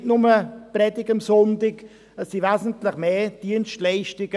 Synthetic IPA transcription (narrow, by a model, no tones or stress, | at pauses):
tnʊməprɛdɪɡəmsɔntɪk | əsːivɛːzən̩tlɪχmeːd̥iənstlɛɪʃtɪɡə